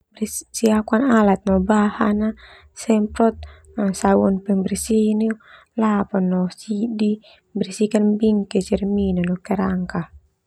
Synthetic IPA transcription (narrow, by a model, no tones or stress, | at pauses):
brsiakuanalat̪̚nɔbahana | sɛmpɾɔt̪̚ | asawɔnpɛŋbɛrsini | lapanːɔsidi | brisikanbiŋkɛd͡ʒɛrminanɔkɛɾaŋka